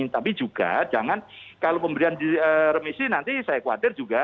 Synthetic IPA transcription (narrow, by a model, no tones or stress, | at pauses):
t̪apid͡ʒuɡ̥a̰d͡ʒaŋankalopəmbəɾiandiərəmisinant̪isajakua̰t̪ɪrd͡ʒuɡa